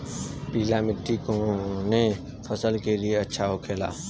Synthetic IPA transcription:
piːlamɪʈ̪ːikone | pʰəsəlkelieɐtːʃʰaɦokʰeːla̰ː

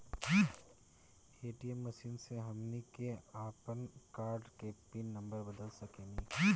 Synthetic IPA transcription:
eːʈiemːɐʃiːnseɦɐmnikeaːpənkaːɾɖkepɪnːɐ̃mbəɾbɐd̪əlsɐkeːnĩː

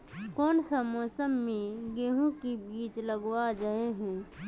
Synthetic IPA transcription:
kɔːnsamɔːsəmːẽɡeːɦũkibiːt͡ʃləɡwad͡ʒəɦeɦɛ̃ː

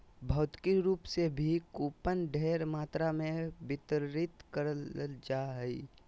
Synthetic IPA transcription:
bʱəːt̪kiɾuːpsebʱikoːpənɖʱeːɾmaːt̪ɾamẽbɪt̪əɾɾɪt̪kəɾələld͡ʒaːɦəḭ

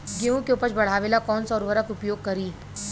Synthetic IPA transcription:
ɡeũkeʊpəɾt͡ʃbɐɽ̤aːʋeːlakɔːnsɔːɾʋɐɾəkʊpjoːɡ̚kɐɾiː

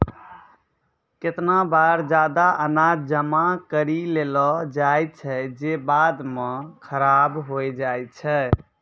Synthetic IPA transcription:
ket̪nabaɾd͡ʒad̪aʔənad͡ʒəmakəɾilelɔd͡ʒajt̪̚t͡ʃʰɛd͡ʒebad̪mẽkʰəɾabɦojd͡ʒajt̪̚t͡ʃʰɛ

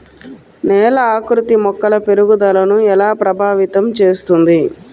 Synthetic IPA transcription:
nɛːlɐaːkɾut̪imɔkːɐlɐpe̞ɾuɡud̪ɐlɐnuɛlaːpɾɐbʱaːʋit̪ɐmt͡ʃe̞ːst̪und̪i

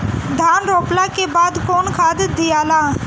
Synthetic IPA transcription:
d̪ʱaːnɾoːplaːkebaːd̪koːnkʰaːd̪əd̪ɪjaːlaː

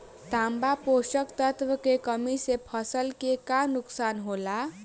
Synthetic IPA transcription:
t̪ambaposʌkt̪ʌt̪wʌkekʌmisepʰʌsʌlkekanuksanɦola

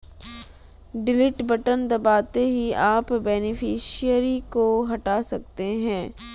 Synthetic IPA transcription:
ɖɪlɪʈbəʈənd̪ɐbaːt̪eɦiaːpbɛːnɪfʰiːʃiəɾikoɦɐʈasɐk̚t̪eɦɛ̃ː

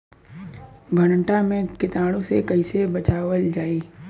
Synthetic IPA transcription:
bʱəñəɳʈamẽkɪt̪aːɽ̃õsekəɪsebət͡ʃaːwəld͡ʒaːiː

